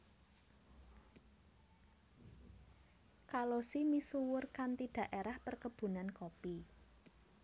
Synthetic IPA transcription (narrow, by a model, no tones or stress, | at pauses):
kalosimisuwʊrkant̪iɖ̥ä̤ʔeɾahpərkəb̥ṳnankopi